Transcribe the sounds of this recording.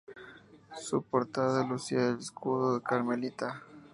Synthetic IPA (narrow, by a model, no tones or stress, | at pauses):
supoɾt̪aðaðelusiaeleskuðoðekaɾmelit̪a